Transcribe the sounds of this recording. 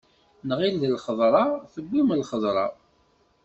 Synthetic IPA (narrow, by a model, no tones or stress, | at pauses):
nʁilðəlχəðˤɾˤɑθəbʷːimlχəðˤɾˤɑ̰